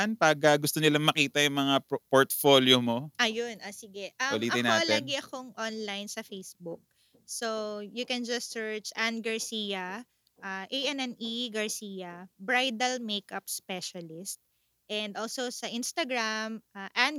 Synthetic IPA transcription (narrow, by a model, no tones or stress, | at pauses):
anpaːɡɐɡʊst̪onɪlaŋmɐkiːt̪ɐjʊŋmɐŋapoɹt̪foːljomoʔɐjʊnʔɐsɪɡɛʔɐʊliːɐɪnaːtlɛɐɡɪɐkoŋʔonlajnsɐfejsbʊk̚ | sojʊkɛ̃nd͡ʒɐstːɛɹt͡ʃʔanɡɐɹsijɐ | ʔaʔejʔɛnɛniɡɐɹsijɐbɹajd̪ɐlmejkʔɐp̚spɛʃɐlɪst̪̚ | ʔɛnd̪olsosɐʔĩnst̪ɐɡɹamʔaʔãn